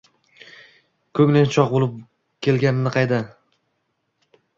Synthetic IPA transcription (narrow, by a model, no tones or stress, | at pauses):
kʰɵŋnɪnt͡ʃʰɒq̚bolˠɪp̚ | kʲʰe̞lɡʲanɪnːɪqʰɑjd̪a